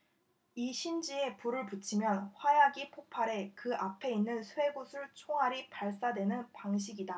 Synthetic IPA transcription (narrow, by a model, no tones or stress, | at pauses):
iɕʰind͡ʑie̞puɾɯɭput͡ɕʰimjʌnɸwajaɡipʰopʰaɾe̞kɯʔapʰe̞inːɯnsʰwe̞ɡosʰɯɭt͡ɕʰoŋɦaɾipaɭs͈adwe̞nɯnpaŋɕ̬ʰiɡida